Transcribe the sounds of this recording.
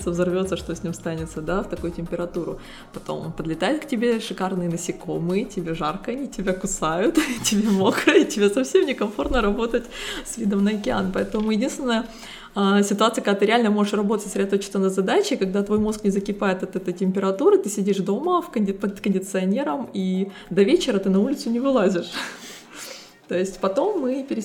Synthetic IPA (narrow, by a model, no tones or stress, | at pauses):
t̪səvzɐrvʲo̞t̪səʂt̪o̞sʲnʲimst̪anʲɪt̪səd̪aft̪ɐkujʊtʲɪmʲpʲɪɾɐt̪uɾʊ̰ | pɐt̪o̞̰mnpəd̪lʲɪt̪ajɪt̪ktʲɪbʲe̞ʂɨkarnɨjənəsʲɪko̞mɨjətʲɪbʲeʐarkəɐnʲitʲɪbʲakʊsajʊt̪tʲɪbʲemokɾəitʲɪbʲesɐfsʲe̞mnʲɪkɐmfo̞rt̪nəɾɐbo̞t̪ətʲsvʲid̪əmnəɐkʲɪa̰npɐɛt̪əmʊjɪdʲinst̪vʲɪnəjə | əsʲɪt̪ʊat̪sɨjəkɐɡd̪at̪ɨɾʲɪalʲnəmo̞ʐɨʂrɐbo̞t̪ətʲsɾʲɪd̪ɐt̪ot͡ɕɪ̥st̪ənəzɐd̪at͡ɕɪkɐɡd̪at̪vo̞jmo̞sknʲɪzəkʲɪpajɪt̪ɐt̪ɛt̪əjtʲɪmʲpʲɪɾɐt̪uɾɨt̪ɨsʲɪdʲiʂd̪o̞məfkənʲpəkənʲdʲɪt̪sɨɐnʲe̞ɾəmi | d̪ɐvʲet͡ɕɪɾət̪ɨnɐulʲɪt̪sʊnʲɪvɨlˠazʲɪʂ | t̪o̞jɪsʲtʲpɐt̪o̞mːɨpʲɪɾʲɪ